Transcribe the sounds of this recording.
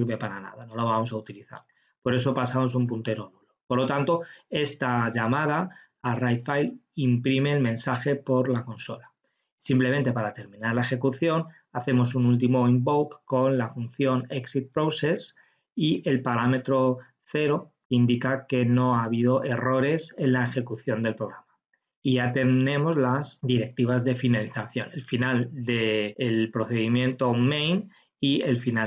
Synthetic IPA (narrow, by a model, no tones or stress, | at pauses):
iɾβe̞paɾana̰ðano̞loβ̞amo̞s̬aut̪iliθa̰ɾ | po̞ɾe̞s̬o̞pasamo̞sumpunt̪eɾo̞nulopoɾlo̞t̪ant̪o̞e̞st̪aʝamað̞aː | rajt̪fajlimpɾime̞ːlmẽ̞nsaxe̞po̞ɾlakõ̞nso̞la | simple̞me̞nt̪e̞paɾat̪e̞ɾmĩnaɾlae̞xe̞kuθjo̞n | aθe̞mo̞s̬unult̪̬imo̞imbowkko̞nlafun̟θjo̞neksit̪̚pɾowses | iʔe̞lpaɾame̞t̪ɾo̞ | θe̞ɾo̞kind̪ikake̞no̞aβ̞ið̞o̞ʔe̞ro̞ɾe̞se̞nlaexe̞kuθjo̞nd̪e̞lpɾo̞ɣɾama | iʝat̪enẽ̞mo̞zlasd̪iɾe̞k̚t̪iβ̞azðe̞finaliθaθjo̞ne̞lfinald̪eːlpɾo̞θe̞ðimjẽ̞nt̪o̞mejn | ie̞lfina